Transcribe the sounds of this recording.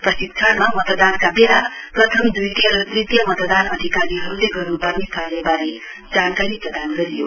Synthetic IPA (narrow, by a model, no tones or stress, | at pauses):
prʌsit̪̚kʰanmamʌt̪d̪ankabelaprʌt̪ʰʌmd̪ujt̪ʌrit̪jʌmʌt̪d̪anʌd̪ʱikaɾiɦʌɾuleɡʌrnupʌrnisʰalebaɾe | d͡zankaɾiprʌd̪anɡʌɾijo̰